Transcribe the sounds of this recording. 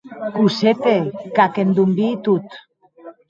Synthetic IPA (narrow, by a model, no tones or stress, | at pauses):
kuset̪ekakend̪umbit̪ut̪